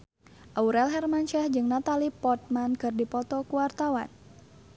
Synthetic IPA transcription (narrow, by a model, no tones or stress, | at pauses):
ʔauɾɛlɦɛrmant͡ʃɛhd͡ʒɨŋnat̪alipɔt̪̚mankɨrdipɔt̪ɔkuwart̪awa̰n